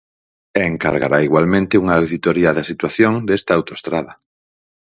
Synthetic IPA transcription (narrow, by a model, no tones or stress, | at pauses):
eŋka̰ɾɣa̰ɾa̰iɣwalmẽnt̪ɪuŋaːwðit̪oɾiaðasit̪waθjoŋd̪ɛst̪aawt̪oe̥st̪ɾaðɐ